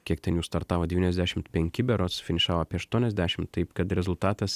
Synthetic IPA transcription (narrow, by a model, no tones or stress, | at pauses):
kʲiɛk̚t̪ʲɛnjuːst̪ɐɾt̪ɑːʋoːd̪ʲɛʋʲiːnʲɛzd̪ʲæːʃʲɪmt̪pʲɛŋʲkʲɪbʲɛɾoːsfʲɪnʲɪʃɑːʋoɑːpʲiɛɐʃt̪uɔnʲɛzʲd̪ʲæːʃʲɪmt̪ɐɪpkɐt̪ɾʲɛzʊlˠt̪ɑːt̪ɐs